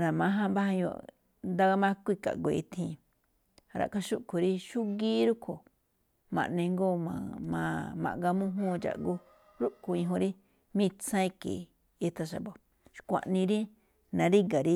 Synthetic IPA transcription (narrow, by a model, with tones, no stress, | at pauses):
ɾa˨mã˨˦ɦã˦mba˦ha˧jo̰˧˨ | nd̪a˧ɡa˧mã˦˧kʷi˦˧ka̰˨ʔɡʷo˨˧i˧t̪ʰĩː˧ | ɾa̰˨ka˦ʃu˦ʔkʰo˨ɾi˦ʃu˦ɡiː˦ɾu˦kʰo˨ | mã̰˨nẽ˧ŋɡo˦mã̰˧mã̰˧mã̰˨ʔɡa˧mũ˦ɦũ˦t͡ʃa̰˨ʔɡu˧ | ɾu˦ʔko˧ĩ˧ɦõ˧ɾi˦ | mĩ˦˧t͡sã˦i˧kḛ˨ | i˧t̪a˧ʃa̰˨bo˨ | ʃkʷã̰˨ʔnĩ˧ɾi˦ | nã˨˧ɾi˦ɡa˨ɾi˦